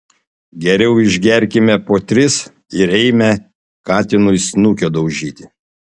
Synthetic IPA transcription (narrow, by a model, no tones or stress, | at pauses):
ɡʲɛɾʲɛʊɪʒʲɡʲɛɾʲkʲɪmʲɛpoːt̪ʲɾʲɪs | ɪɾɛɪmʲɛ | kɑːt̪ʲɪnʊɪsnukʲod̪ɐʊʒʲiːt̪ʲɪ